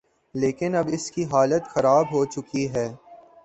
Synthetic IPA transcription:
leːkɪnɐbɪskiɦaːlət̪xɐɾaːbɦoːt͡ʃʊkiɦɛː

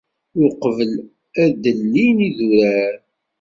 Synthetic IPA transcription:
ʊqəvəl | æd̪əlːiniðuɾæɾ

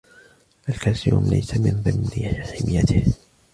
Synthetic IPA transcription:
ʔalkaːsɪjṵːmla̰jsamɪnðˤɨmnɪħɪmɪjːat̪ɪh

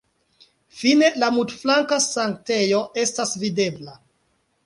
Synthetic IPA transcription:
fine̞lamutflaŋkasaŋk̚te̞jo̞ʔe̞stasvide̞bla

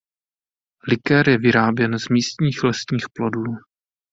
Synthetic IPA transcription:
lɪkɛɾjɛvɪɾaːbjɛnzmiːst̪ɲiːxlɛsɲiːxplo̞duː

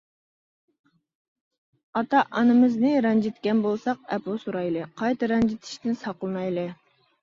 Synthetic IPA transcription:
ɑt̪ɑʔɑnɨmɨznɨɾɛnd͡ʒit̪kʲɛnbolˠsɑq̚ɛposuɾɑjlˠɨqʰɑjt̪ɨɾɛnd͡ʒit̪ʰi̥ʃt̪ɪnsɑqlˠɨnɑjlˠɨ

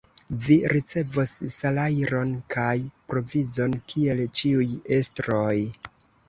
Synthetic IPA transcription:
viɾit͡se̞vosːalajɾo̞nkʰajpɾo̞vizo̞nkʰie̞lt͡ʃiuje̞stɾo̞j

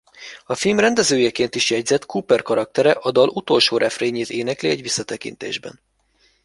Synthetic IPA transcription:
ɒfilmrɛnd̪ɛzøːjɛkeːnt̪iʃjɛɟzɛt̪kupɛrkɒɾɒk̚t̪ɛɾɛʔɒd̪ɒlut̪o̞lʃoːɾʔɛfreːɲeːt̪eːnɛkliɛɟʋisːɒt̪ɛkḭnt̪ḛːʒbɛ̰n

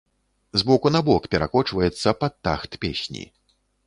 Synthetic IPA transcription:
zbɔkunabɔkpʲɛɾa̰kɔt͡ʂvɐjɛt̪sːɐpat̪ːa̰xt̪pʲḛsʲnʲḭ

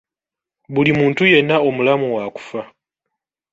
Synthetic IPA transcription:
βulimuːntuje̞nːao̞mulamuwaku̥fa

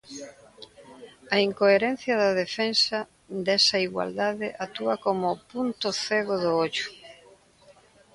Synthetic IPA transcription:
ɐiŋkoeɾen̟θjɐðɐðefensa | d̪esɐiɣwa̰ld̪aðɪʔat̪uɐkomʊpunt̪ʊθeɣoðʊoʎʊ̥

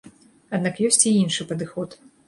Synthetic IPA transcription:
ad̪nakjɔsʲt͡sʲiinʂɨpɐd̪ɨxɔt̪

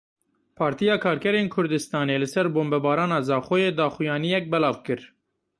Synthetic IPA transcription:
pʰɑːɾt̪ijɑːkʰɑːɾkɛɾeːnkʰʊɾd̪ɨst̪ɑːneːlɨsɛɾboːmbɛbɑːɾɑːnɑːzɑːxojeːd̪ɑːxjɑːnijɛk̚bɛlɑːvkɨɾ

